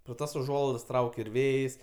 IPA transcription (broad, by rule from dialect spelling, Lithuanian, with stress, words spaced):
proː ˈtɐs ʊˈʒuɔlˠɐɪdɐs ˈtrɐʊkʲ ɪr ˈʋʲeːjsʲ